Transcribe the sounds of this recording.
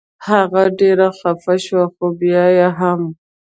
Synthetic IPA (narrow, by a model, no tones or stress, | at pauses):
haɣaɖeɾaxafaʃwaxobijajaɦam